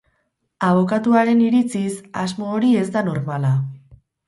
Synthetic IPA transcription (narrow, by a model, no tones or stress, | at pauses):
aβ̞o̞kat̪uaɾe̞niɾit͡sisazmo̞ːɾie̞zd̪ano̞ɾmala